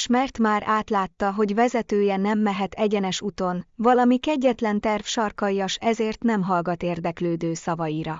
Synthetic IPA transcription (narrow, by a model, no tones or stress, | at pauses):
ʃmɛrt̪maːɾʔaːt̪laːt̪ːɒɦo̞ɟvɛzɛt̪øːjɛnɛmːɛɦɛt̪ɛɟɛnɛʃut̪o̞nvɒlɒmikɛɟːɛt̪lɛnt̪ɛrfʃɒrkɒjjɒʃɛzeːrt̪nɛmɦɒlɡɒt̪eːrd̪ɛkløːd̪øːsɒvɒjiɾɒ